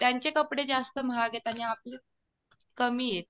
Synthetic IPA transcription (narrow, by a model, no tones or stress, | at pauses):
t̪jaɲt͡ɕekəpɽed͡zast̪əm̤aɡet̪añiap̚li | kəmiːjet̪̚